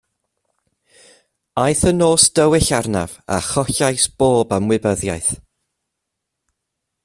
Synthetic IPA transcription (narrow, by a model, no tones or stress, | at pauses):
ajθənoːsd̥əwɪɬarna̰va̰χɔɬajsb̥oːbamwɪbəðja̰jθ